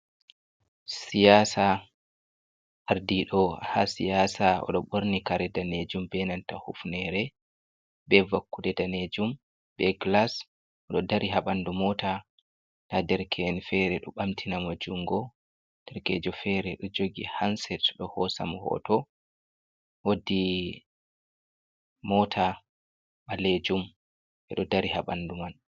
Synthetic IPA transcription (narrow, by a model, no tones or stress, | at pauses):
sijasa | ʔaɾdiɗɔha̰sijaːsaɔ̰ɗɔɓoɾnikaɾɛdaned͡ʒumbɛnantahufnɛɾɛ | bɛvakːuɗɛdaned͡ʒum | bɛɡlas | ʔɔɗɔdaɾiɦaɓandumɔta | tadɛɾkʰɛnfɛɾɛɗɔɓamtʰinamod͡ʒuŋɡɔ | d̥ɛɾkɛd͡ʒɔfɛɾɛɗɔd͡ʒoɡihansɛtɗɔhɔsa̰mhɔ̰tɔ | wodi | mɔtʰa | ɓaled͡ʒum | ʔɛ̰ɗɔdaɾihaɓanduman